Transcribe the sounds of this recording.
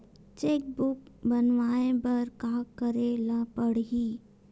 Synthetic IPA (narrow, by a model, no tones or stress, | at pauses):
t͡ʃeːk̚bʊkbənʋaːẽbɐɾkaːkəɾelapəɽɦiː